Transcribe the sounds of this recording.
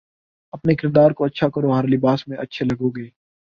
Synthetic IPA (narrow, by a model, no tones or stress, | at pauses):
ɐpnekɪɾd̪aːɾkoɐtːʃʰakɐɾoɦəɾlɪbaːsmẽʔɐtːʃʰelɐɡoːɡeː